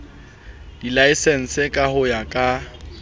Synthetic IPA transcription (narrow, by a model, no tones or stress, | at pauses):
d̥ilaisɛn̩sɪkʼahʊjakʼa